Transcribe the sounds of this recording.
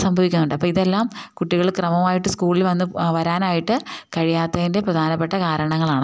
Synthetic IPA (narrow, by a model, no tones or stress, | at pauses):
sɐmbʱɐʋikʲːunːuɳɖɨɐpːoːiðelːaːmkuʈːiɣɐɭkrɐmɐmaːjiʈːɨskuːɭilʋɐnːɨʋɐɾaːnaːjiʈːɨkɐɻijaːt̪ːɐðinde̞prɐd̪ʱaːnɐpːeʈːɐkaːɾɐɳɐŋːɐɭaːɳɨ